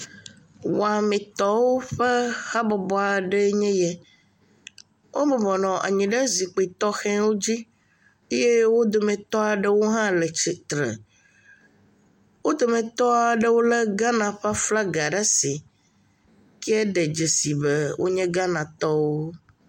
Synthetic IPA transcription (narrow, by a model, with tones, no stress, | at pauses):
wa˨mẽ˨t̪ɔ˦wo˦ɸɛ˦xa˦bɔ˨bɔ˦a˨ɖe˦ɲɛ̃˦jɛ˦ | wʔo˦mɛ˨bɔ˨nɔ̃˨ʔa̰˨ɲĩ˨ɖe˦zi˨k͡pe˨i˨t̪ɔ˦xɛ̃˦wo˦d͡ʑi˦ | e˦je˦wo˦d̪o˨mɛ̃˨t̪ɔ˦a˨ɖe˦wo˦ɦã˦lɛ˨t͡ʃi˨t̪ɾḛ˨ | wo˦d̪o˨mẽ˨t̪ɔ˦a˨ɖe˦wo˦le˦ɡa˦nã˨ɸa˦fla˦ɡa˨ɖa˦si˨ | kɛ˦ɛ˦ɖɛ˨d͡ʒe˨si˨be˦wʔo̰˦ɲɛ̃˦ɡa˦nã˨t̪ɔ˦wo˦